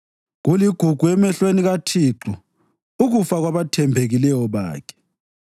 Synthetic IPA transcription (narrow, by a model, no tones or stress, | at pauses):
ɣuliɡ̥ʱuɡ̥ʱuɛmɛɬweniɣatʰiːǁu | uɣufaɣwaβatʰɛmbʱeɣilɛjɔβa̰ːkʰɛ̥